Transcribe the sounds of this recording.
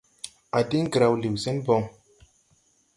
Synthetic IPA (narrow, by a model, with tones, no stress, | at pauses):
a˨di˦ŋ˦ɡɾa˨wli˨wsɛ˦nbɔ˧ŋ